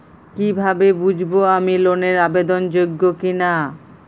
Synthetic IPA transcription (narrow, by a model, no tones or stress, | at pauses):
kibʱabebud͡ʑʱboamiloneɾabed̪ond͡ʑoɡːokina